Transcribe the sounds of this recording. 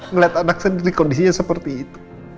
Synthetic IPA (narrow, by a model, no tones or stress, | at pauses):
ŋəliat̪anak̚səndiɾikondisiɲasəpərt̪iːt̪u̥